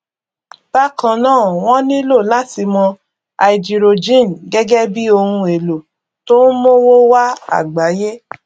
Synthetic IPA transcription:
b̥a˦kã˧˨nãː˦˨w̃ɔ̃˦nĩ˦lo˦˨la˦ti˧mɔ̃˧ | a˨i˨d͡ʒi˨ɾo˨d͡ʒĩ˦˨n˨ɡɛ˦ɡɛ˦bi˦o˧hũ˧e˨lo˨ | to˦n̩˦mo˦wo˦wa˦a̰˦˨ɡ͡ba˨˦je˦

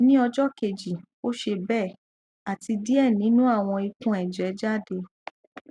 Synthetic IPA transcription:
nĩ˦ɔ˧d͡ʒɔ˦ke˨d͡ʒi˨ | o˦ʃe˧bɛ˦˨ | a˨ti˧di˦ɛ˦˨nĩ˨˦nũ˦a˦˨w̃ɔ̃˧i˧kũ˦ɛ˨d͡ʒɛ˨˦d͡ʒa˦˨de˧

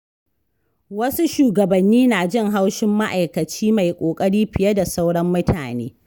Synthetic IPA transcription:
wɐ˦su˦ʃuː˨ɡɐ˨bɐ˨nːiː˦naː˨d͡ʒɪ˦ŋɦa˦wʃɪ˦mːa˦ʔa˨jkɐ˨t͡ʃiː˦ma˨jkʷʼoː˨kʼɐ˦ɽiː˦ɸɪ˨jɐ˦da˨sa˦wɽɐ˦mːʊ˦tʰa̰ː˨nḛː˦

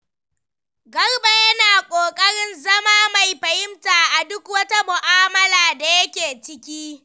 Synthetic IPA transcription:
ɡɐ˦rba˦jɐ˦naː˨kʷʼoː˨kʼɐ˦ɽɪ˦nzɐ˦maː˦ma˨jɸɐ˨jɪ˦mtaː˨ʔa˨dʊ˦kwɐ˦ta˦mʊ˨ʔaː˦mɐ˦laː˨da˨jɐ˦kʲeː˨t͡ʃɪ˦kʲiː˦

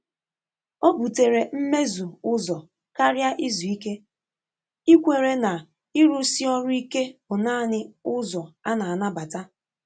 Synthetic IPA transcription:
o˦bu˨te˨ɾe˨m̩˦me˦zu˨ʊ˦zɔ˨ | ka˦ɾja˦ʔi˦zu˨i˦ke˦ | i˦kʷe˨ɾe˨na˨ | i˦ɾʊ˦si˦ɔ˦ɾʊ˦i˦ke˦bʊ˨naː˦˨nɪ˦ʊ˦zɔ˨a˦na˨a˨na˦ba˨ta˦

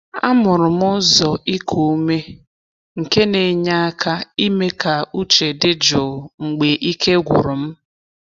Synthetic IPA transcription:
a̰˦mʊ˨ɾʊ˨mʊ˦zɔ˨ʔi˦kʰo˨˦me˦ | ŋ̩˨ke˦ne˨ɲa˦a˦kʰa˦i˦me˦ka˨u˦t͡ʃe˨dɪ˦d͡ʒɔ˨ŋ͡m̩˨ɡ͡be˨ʔi˦ke˦ɡʷʊ̰˨ɾʊ˨m̩˦

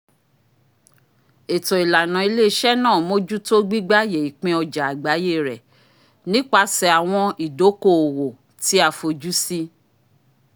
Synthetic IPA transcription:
e˨tɔ˨i˨la˨nã˨i˧le˦ʃɛ˦nãː˦˨mo˦d͡ʒu˦to˦ɡ͡bi˦ɡ͡ba˦je˨i˨k͡pĩ˧ɔ˧d͡ʒa˨a˨ɡ͡ba˨˦je˦˨ɾɛ˨ | nĩ˦k͡pa˧sɛ˨a˨w̃ɔ̃˧i˨do˨˦ko˦˨o˨wo˨ | ti˨˦a˧˨fo˧d͡ʒu˦si˦

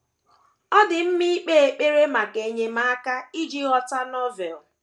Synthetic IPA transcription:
ɔ˦dɪ˨m̩˦mi˦k͡pe˦e˨k͡pe˦ɾe˦ma˨ɡe˨ɲe˦ma˦a˦ka˦i˦d͡ʒi˦ɣɔ˨ta˦nɔ˦vɛ˨l

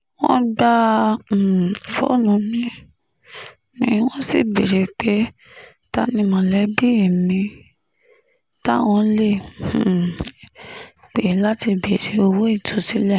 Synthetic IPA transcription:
wɔ̰̃˦ɡ͡ba˦˨ | fɔ̰˦˨nũ˨˧˦mĩ˦ | mĩ˧˦w̃ɔ̃˦sḭ˦˨be˨ɾe˨k͡pe˨˦ | ta˦nĩ˦mɔ̃˧lɛ˨˦bi˦i˨mĩ˧ | ta˦w̃ɔ̃˧˦lẽ˦˨˦ | k͡pe˨˦la˦ti˧be˨ɾe˨o˧wo˦i˦˨tʰo˧˦si˦lɛ˦˨

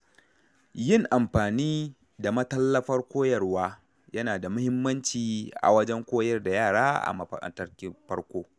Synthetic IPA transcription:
jɪ˦˨ŋʔa˨mɸaː˨niː˦ | da˨mɐ˦tɐ˦lːɐ˦ɸɐ˦rkʷoː˦jɐ˨rwaː˦ | jɐ˦naː˨da˨mʊ˦hɪ˦mːɐ˦nt͡ʃiː˨ʔa̰˨wɐ˦d͡ʒɛ˦ŋkʷoː˦jɐ˦rda˨jaː˦˨ɽaː˦ʔa̰˨mɐ˨ɸɐ̰˨kʼɐ̰˨ntɐ˦rkʲɪ˦ɸɐ˦ɽkʷoː˦

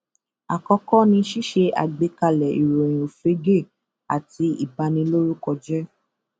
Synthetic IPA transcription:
a˨kɔ˧kɔ˦nĩ˧˦ʃi˦ʃe˧a̰˨ɡ͡be˧ka˧lɛ˨ḭ˨ɾo˨j̃o˨fɾe˨˦ɡe˦˨ | a˨ti˧˦ḭ˨ba˧nĩ˧lo˦ɾu˦kɔ˧d͡ʒɛ˦

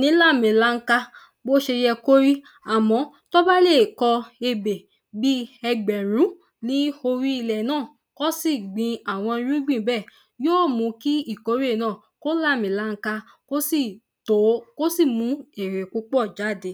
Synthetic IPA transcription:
nĩ˨˦la˦˨mĩ˨la˦ŋ̩˦ka˧ | bo˦ʃe˧jɛ˧ko˦ɾi˦ | a˨mɔ̃˨˧˦ | tɔ˦ba˦le˦˨kɔ˧e˧be˨ | bi˦ɛ˧ɡ͡bɛ˨ɾ̃ũ˨˦ | nĩ˨˦o˧ɾi˦i˧lɛ˨nãː˦˨ | kɔ˦si˦˨ɡ͡bĩ˧a˨w̃ɔ̃˧ĩ˧ɾũ˦ɡ͡bĩ˦˨bɛ˦˨ | joː˦˨mũ˨˧˦ki˦i˦˨ko˨˦ɾi˦e˦˨nãː˦˨ | ko˦la˦˨mĩ˨la˨˦ŋ̩˦ka˧ | ko˦si˦˨ | to˨˦ko˦si˦˨mũ˧e˨ɾe˨ku˧˦k͡pɔ˦˨d͡ʒa˨˦˨de˧˦

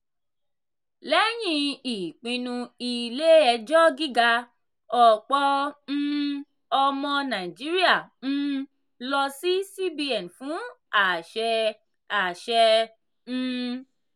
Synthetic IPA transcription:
lɛ˦j̃ĩ˧i˨k͡pĩ˧nũ˧i˧le˦ɛ˧d͡ʒɔ˦ɡi˦ɡa˧ | ɔ˨k͡pɔ˦n̩˦ | ɔ˧mɔ̃˧nã˨i˨d͡ʒi˨˦ɾi˦a˦˨ñ̩˦ | lɔ˧si˦si˦bi˦ɛ˨n˨fũ˨˦a˦˨ʃɛ˧ | a˨ʃɛ˧ | ñ̩˦

